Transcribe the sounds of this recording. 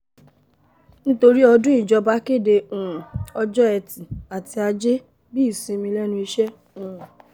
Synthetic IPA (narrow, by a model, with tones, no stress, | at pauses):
ñ̩˦to˧ɾi˦ɔ˧dũ˦i˦˨d͡ʒɔ˧ba˦ke˦˨de˧ũ˨ũ˨ɔ˧d͡ʒɔ˦ɛ˧ti˨a˨ti˧a˧d͡ʒe˦ | bi˦˨sĩ˧mĩ˧lɛ˦nũ˧˦i˧ʃɛ˦ | ũ˨ũ˨